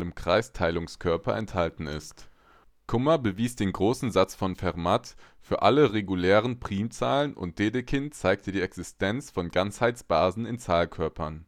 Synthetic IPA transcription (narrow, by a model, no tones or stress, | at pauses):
ləmkʁ̥aɪstʰaɪlʊŋskʰœɐpɐ̰ʔɛ̰nthaltn̩ɪ̰st | kʰʊmɐbəviːsd̥eːnɡʁoːsn̩zat͡sfɔnfɛʁmatfyːɐʔaləʁeɡulɛːʁ̞ənpʁ̥iːmt͡saːlənʔʊ̰nt̚d̥eːdəkʰɪntt͡saɪk̚tʰədiːɛksɪstʰɛnt͡sfɔnɡant͡shaɪt͡sb̥aːzn̩ɪnt͡saːlkʰœɐpɐn